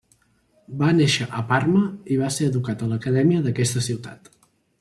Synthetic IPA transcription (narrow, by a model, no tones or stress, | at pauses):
baneʃəʔəparməiβaseəðukat̪ələkəðɛmiəðəkɛst̪əsiwt̪a̰t̪